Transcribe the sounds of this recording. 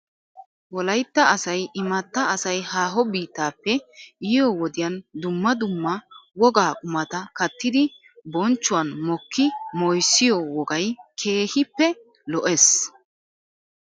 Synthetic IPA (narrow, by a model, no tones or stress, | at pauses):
wɔlɐjt̪ːɐɐsɐjɪmɐt̪ːɐɐsɐjhaːɦɔbiːt̪ːaːpːɛɪjɔwɔd̪ɪjɐnd̪ʊmːɐd̪ʊmːɐwɔɡaːkʼʊmɐt̪ɐkɐt̪ːɪd̪ɪ | bɔnt͡ʃːʊwɐnmɔkːɪmɔjsːɪjɔwɔɡɐjkʰe̞ːhɪpːɛ | lɔʔes